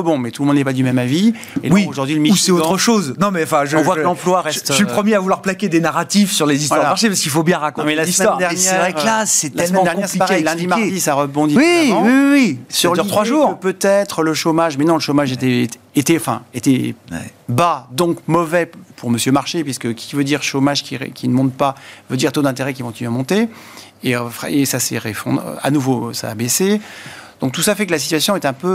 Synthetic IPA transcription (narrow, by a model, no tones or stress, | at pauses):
bɔ̃mɛt̪ulmɔ̃d̪nɛpad̪ymɛmavi | ḛlwioʒuʁd̪ɥiləmiusɛotʁəʃoznɔ̃mɛɑ̃fɛ̃ʒɔ̃vwalɑ̃plwaʁɛst̪ipχəmjeavulwaʁplakʲed̪enaʁat̪ifsyʁlezistvwaʁlaaʁʃepaskilfobjɛ̃ʁakɔ̃mɛlasimɛwd̪ɛʁnjɛvʁɛʁklasɛlaɛsmɛmɑ̃d̪ɛnɲkjɛʁspɛlipaʁɛjlãdimad̪isaʁəbɔ̃d̪iw̃wisyʁd̪yʁt̪χwaʒuʁpøt̪ɛt̪χələʃomaʒmɛnɔ̃ləʃomaʒet̪ɛ | et̪ɛɑ̃fɛ̰̃et̪ɛ | bad̪ɔ̃kmɔvɛpuʁməsjømaʁʃepɥiskəkʲi̥kʲivød̪iʁʃomaʒkʲiʁ̰kʲʰinəmɔ̃t̪pavød̪iʁt̪od̪ɛ̃t̪̬eʁɛk̬ʲikɔ̃t̪inyamɔ̃t̪e | efʁɛesasɛ̰ʁefɔ̰̃d̪a̰nuvosa̰ːbesed̪̥ɔ̃k̚t̪usafɛkəlasi̥t̪ɥasjɔ̃ɛt̪ɛ̃pø